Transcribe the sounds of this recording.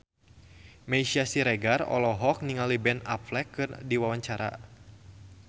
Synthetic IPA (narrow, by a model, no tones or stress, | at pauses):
mejsiasiɾɛɡarɔ̰lɔɦɔk̚niŋalibɛnaplɛkːɨrdiwawaɲt͡ʃaɾa̰